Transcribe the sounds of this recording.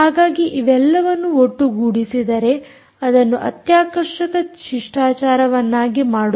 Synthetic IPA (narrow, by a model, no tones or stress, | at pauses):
aːɡaːɡiʔiʋɛlːɐʋɐnːuoʈːuɡuːɽisid̪ɐɾe̞ | ɐd̪ɐnːuʔɐ̰t̪jaːkɐɾʂɐkɐʃiʂʈaːt͡ʃaːɾɐʋɐnːaːɡimaːɽu